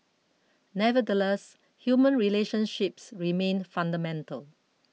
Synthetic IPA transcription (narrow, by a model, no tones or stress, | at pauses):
nɛvədəlɛs | hjumə̃nɹileʃə̃nʃɪpsɹimẽnfãndəmɛ̃ntə̰l